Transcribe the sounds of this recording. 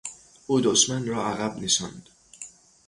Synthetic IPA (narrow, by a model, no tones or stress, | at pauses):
ʔuːd̪oʃmænrɒːæɣæbnisɒ̰nd̪̥